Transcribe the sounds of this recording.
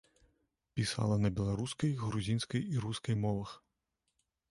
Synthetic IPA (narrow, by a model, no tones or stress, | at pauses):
pʲisa̰lˠɐnɐbʲɛlˠaɾuskɐjɣɾuzʲinskɐjiɾuskɐjmɔvɐx